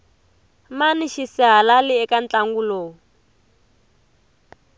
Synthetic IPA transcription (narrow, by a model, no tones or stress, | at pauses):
maniʃisiɦalalɪɛkant͡ɬʼaŋɡuloː